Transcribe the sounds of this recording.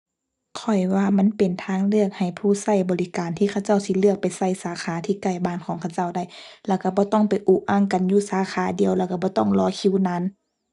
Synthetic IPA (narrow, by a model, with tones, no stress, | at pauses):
kʰɔ˨˩jwaː˧ma˧˥˨npe˨˩nt̪ʰaː˧˥˨ŋlɯ˥˧˩ək̚ha˨˩jpʰuː˧˩sa˧˩jbɔː˨li˦kaː˨nt̪ʰiː˧˩kʰa˧wt͡ɕa˥˩˨wsi˧lɯ˥˩ək̚pa˨jsa˧˩˨jsaː˨˦xʰaː˨˦t̪ʰiː˧˨ka˧˩jbaː˧˩˨nkʰɔː˨˦ŋkʰa˧wt͡ɕa˥˧˩wda˧˩˨jlɛː˧˩wka˧˩bɔː˧˦t̪ɔ˧˥˩ŋpa˨jʔuː˧˦ʔaː˧˥˨ŋka˨njuː˧˩saː˨˦xʰaː˨˦di˨əwlɛː˧˩wka˧bɔː˧˦t̪ɔ̰˧˥˩ŋlɔː˧˦kʰi˧˥˨wna˧˥˨n